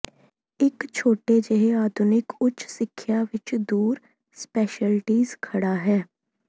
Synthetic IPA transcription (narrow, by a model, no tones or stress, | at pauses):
ɪkt͡ʃʰoːʈed͡ʒeɦeaːd̪ʱʊnɪkʊt͡ʃʰsɪkʰːjaʋɪt͡ʃd̪uːɾ | spɛːʃəlʈiːzkʰɐɽaɦɛː